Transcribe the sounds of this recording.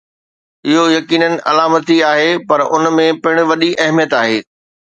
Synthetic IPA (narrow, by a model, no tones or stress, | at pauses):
ɪɦojɐkiːnənɪ̆ʔɐ̰laːmət̪iaːɦepɐɾʊnmẽpɪɽ̃̆ʋɐɗiʔɐɦmijət̪aːɦeː